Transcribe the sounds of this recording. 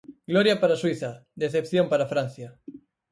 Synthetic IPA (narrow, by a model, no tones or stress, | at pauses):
ɡ̥loɾjapaɾaswiθad̪eθepθjompaɾafɾanθja